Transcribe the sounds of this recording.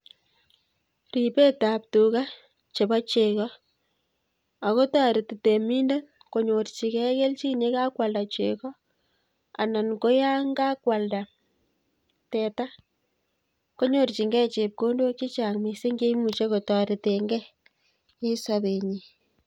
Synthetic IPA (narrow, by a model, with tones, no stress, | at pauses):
ri˨pe˦ta˨p̚tu˨ka˦ | t͡ʃe˨ba˦t͡ʃe˨kɔ˦ | a˨ko˦ta˦ɾɪ˨tte˨mi˦nde˦ | ko˨ɲo˨rt͡ʃi˨kɛ˦ke˦lt͡ʃi˦ɲe˦ka˦kwa˨lda˨t͡ʃe˨kɔ˦ | a̰˨na˨nko˦ja˦ŋɡa˦kwa˨lda˨ | tɛ˨ta˦ | ko˦ɲo˨rt͡ʃi˨ŋɡɛ˦t͡ʃe˨p̚ko˦ndo˦t͡ʃe˦t͡ʃa˨ŋme˨se˦ŋɡe˦mu˨t͡ʃe˦ko˨ta˨ɾe˨te˨ŋɡɛ˦ | e˦sa˦be˨ɲi˨